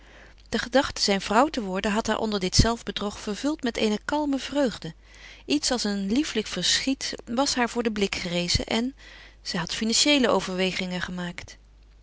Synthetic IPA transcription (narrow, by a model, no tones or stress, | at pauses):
d̥əχədɑχtə̥zɛjnvrʌwtəʋɔɹdəɦɑtɦa̰ːɹʔɔ̰ndəɹdɪtsɛlˠvbədrɔχfəɹvɵlˠtmɛtḛjnəkɑlˠməvrøɥχdə | ʔitsɑlˠsənlifləkfəɹsχitʋɑsɦaːɹvʊːɹdəblɪkχərejzə̰ʔɛn | z̥ɛjɦɑtfinɑnʃejləʔowvəɹʋejχɪŋəχəmaːkt